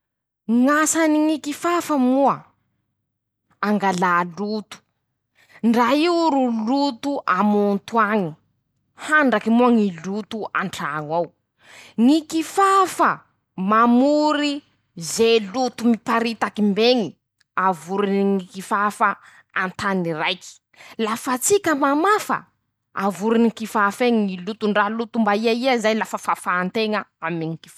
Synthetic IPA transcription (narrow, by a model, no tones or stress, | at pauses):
ŋasaniŋikifafəmuə | aŋɡalaːlut̪u̥ | ɳɖ͡ʐaiɾulut̪uʔamunt̪uaŋi | haɳɖ͡ʐakimuaŋilut̪uaɳʈ͡ʂaŋaw | ŋikifafa | mamuɾi | zelut̪umipaɾit̪akimbeŋi | avuɾiniŋikifafa | ant̪anirajki̥ | lafat͡sikʲəmamafə̰ | a̰vuɾinikifafeŋiŋilut̪uɳɖ͡ʐalut̪umbaiaiazajlafafafaːnt̪eŋəamiŋiki̥fa